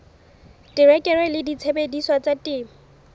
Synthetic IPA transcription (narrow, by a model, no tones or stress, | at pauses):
tʼɪrɛkʼɛɾwɛlɪdit͡sʰebediswat͡satʼɪːm̩